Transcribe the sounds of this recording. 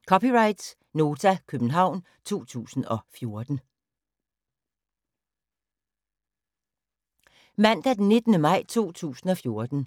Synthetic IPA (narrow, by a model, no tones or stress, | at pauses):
kʰɒ̽piʁɑ̈ɪd̥s | no̝ːt͡sʰækʰøb̥n̩ɦɑ̈ʊ̰n | t͡sʰo̝̰ːt͡sʰṵːsn̩ɒ̽fjo̝ɐd̥n̩ | mæn̰d̥æd̥enːe̝d̥nəmɑ̈ɪ̰t͡sʰo̝̰ːt͡sʰṵːsn̩ɒ̽fjo̝ɐd̥n̩